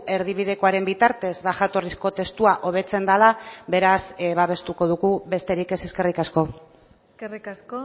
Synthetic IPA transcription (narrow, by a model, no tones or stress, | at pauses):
e̞ɾðiβiðe̞ko̞aɾe̞mbit̪aɾt̪e̞zðaʝat̪o̞risko̞t̪e̞st̪uaʔo̞β̞e̞t͡se̞nd̪alaβe̞ɾasβaβe̞st̪uko̞ðuɣuβe̞st̪e̞ɾike̞se̞ske̞rikasko̞ | serikasko